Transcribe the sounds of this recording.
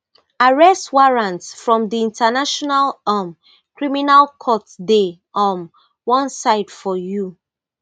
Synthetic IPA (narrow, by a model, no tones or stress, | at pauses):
aɹɛstwaɹãntsfɹɔ̃mdiĩntənaʃɔnalam | kɹiminalkʰɔtde | ɔ̃n | wɔ̃nsaɪd̥fɔju